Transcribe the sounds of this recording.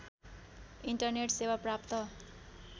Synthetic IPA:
iɳʈʌrneʈsewaprap̚t̪ʌ

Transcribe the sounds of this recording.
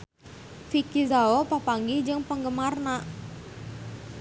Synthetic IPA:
fikizaopapaŋɡid͡ʒɨŋpəŋɡəmarnaʔ

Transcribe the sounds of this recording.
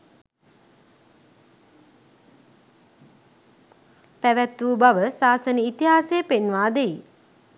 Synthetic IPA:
pæʋæt̪ːuːbaʋəsaːsənəit̪iɦaːsejəpenʋaːd̪ei

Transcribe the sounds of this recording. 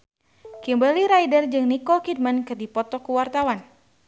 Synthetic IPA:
kimbaliɾajdərd͡ʒɨŋnikɔkid̚mankɨrdipɔt̪ɔkuwart̪awan

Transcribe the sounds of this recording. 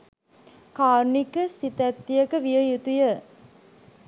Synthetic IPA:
kaːɾnikəsit̪æt̪ːijəkəʋijəjut̪ujə

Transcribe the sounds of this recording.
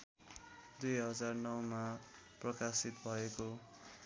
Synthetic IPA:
d̪ujɦʌd͡zarnʌwma | prʌkasit̪̚bʱʌeko

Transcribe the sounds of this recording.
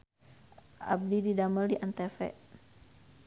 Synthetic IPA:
a̰b̚dididaməldiʔant̪ɛfɛ̰ʔ

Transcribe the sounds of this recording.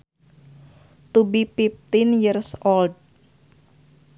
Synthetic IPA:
t̪ubipip̚t̪injirsold̚

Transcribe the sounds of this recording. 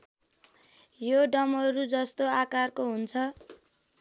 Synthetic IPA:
joɖʌmʌɾud͡zʌst̪oakarkoɦunt͡sʰʌ

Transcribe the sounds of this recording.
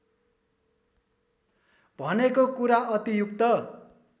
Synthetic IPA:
bʱʌnekokuɾaʌt̪ijukt̪ʌ

